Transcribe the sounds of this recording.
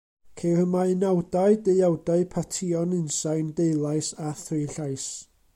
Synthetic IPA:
kʰerəmaɨnawdaɨdeawdaɨpʰatʰɪɔnɨnsajndejlˠajsaθrɨɬajs

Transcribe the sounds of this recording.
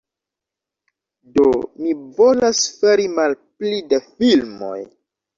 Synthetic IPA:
domivo̞lasfeɾimalplidefilmo̞̰j

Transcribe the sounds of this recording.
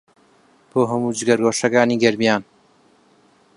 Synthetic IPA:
b̥oːɦɐmuːd͡ʒɨɡɐɾɡoːʃɐkaːniːɡɐɾmijaːn

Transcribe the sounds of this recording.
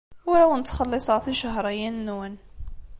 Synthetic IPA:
ʊɾawnət͡s̪ːχəlːesˤəɾˤθiʃəɦɾˤɑjænnːwən

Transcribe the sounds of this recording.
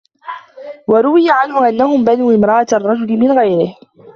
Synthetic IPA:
wɑɾˤʊwɪjaʕanhʊʔanːahʊmbanuːʔɪmɾˤɑʔat̪rˤːɑd͡ʒʊlɪmɪnɣajɾɪh

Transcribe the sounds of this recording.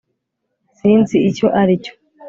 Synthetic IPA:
siːnziːco̞ʔaɾico̥

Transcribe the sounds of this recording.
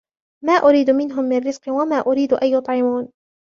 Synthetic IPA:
maːʔʊɾiːd̪mɪnɦʊmːɪnrɾɪz̥qwamaːʔʊɾiːd̪ʔajːʊt̪ˤʕɪmuːn

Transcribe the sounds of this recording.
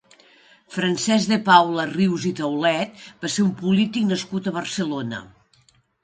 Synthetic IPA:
fɾənsɛzðepawləriwzit̪əwlɛt̪̚baseɾumpulit̪iknəskut̪əβərsəlonə̰

